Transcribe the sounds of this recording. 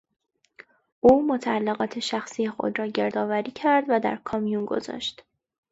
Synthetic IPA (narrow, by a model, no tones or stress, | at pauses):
ʔuːmot̪ʰæælːeɣɒːt̪ʰeʃæxsiːjexo̞̰d̪rɒːɟe̞ɾd̪ɒːvæɾiːcʰæɾd̪væd̪æ̰ɾkʰɒːmijunɡo̞̰zɒ̰ːʃt̪